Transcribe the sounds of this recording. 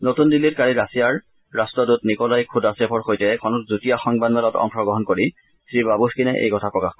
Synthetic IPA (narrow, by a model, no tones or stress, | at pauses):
notundilːitkaɹiɹasijaɹː | astɹɔdʊtnikɔlajkʰudasɛpʰɔɹxojtɛkʰɔnɔtzutijaxɔŋbanmɛlɔtɔ̰ŋxɔɡɔɦɔnkoɹi | sɹibabuskinɛʔḛjkɔtʰapɹɔkax